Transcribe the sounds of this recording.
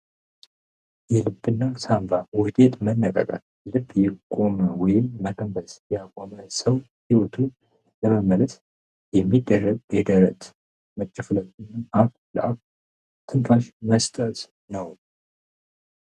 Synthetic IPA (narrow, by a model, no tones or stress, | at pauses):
jɛlɨbːɨnːasambawʊd̪et̪mənːəkʼə̰kʼa̰t̪ | lɨbːjɛkʼo̞məwɔjɪmːəkʰʼəmbəsjakʼoməsəw | hiwɔt̪ʰu | ləməmələs | jɛmːid̪ːərːəɡɛd̪əɾət̪ | mət͡ʃʼːɪfɨləɨnːaʔaf | lə̰ʔaf | t̪ʰɨnfaʃməst̪ʼət̪ | nəw